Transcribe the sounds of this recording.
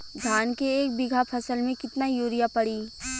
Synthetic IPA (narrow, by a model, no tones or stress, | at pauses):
d̪ʱjaːnkeeːk̚bɪɡʱapʰɐsəlmẽkɪt̪najoːɾijapɐɽiː